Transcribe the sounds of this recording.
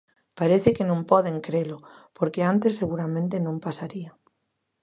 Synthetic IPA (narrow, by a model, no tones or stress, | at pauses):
paɾeθekenõmpoðeŋkɾelopoɾkeant̪esːeɣ̞uɾamẽnt̪enõmpasaɾia